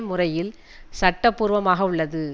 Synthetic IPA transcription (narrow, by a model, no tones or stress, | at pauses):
mːʊrɐjɪl | sɐʈːɐpːuːɾʋɐmaːɣɐʊɭːɐðɯ